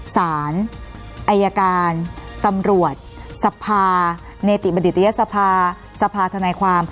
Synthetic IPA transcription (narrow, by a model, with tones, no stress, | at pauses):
saː˩˦n | ʔa˧jaː˧kaː˧nt̪a˧mɾu˨˩ət̪̚sa˧pʰaː˧ | neː˧t̪i˨˩ba˧di˨˩a˧ja˦˥ʔsa˧pʰaː˧ | sa˧pʰaː˧t̪ʰa˧naː˧jkʰwaː˧m